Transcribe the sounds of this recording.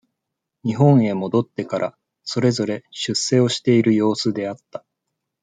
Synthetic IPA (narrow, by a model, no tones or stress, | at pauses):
ɲ̟iɦõ̞ɰ̃e̞mo̞d̪o̞t̪ːe̞kaɾʔa | so̞ɾe̞zo̞ɾe̞ɕɨsːe̞o̞ɕi̥t̪e̞iɾɯ̟jo̞ːsɨd̪e̞at̪ːḁ